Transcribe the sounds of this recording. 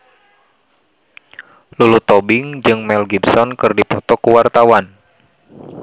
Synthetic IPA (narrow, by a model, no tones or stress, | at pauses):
lulut̪ɔbiŋd͡ʒɨŋmɛlɡibsɔnkɨrdipɔt̪ɔkuwart̪awan